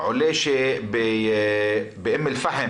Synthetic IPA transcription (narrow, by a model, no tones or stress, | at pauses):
ʕʊleːʃebɪ | bɪʔɪmːɪlfahɪ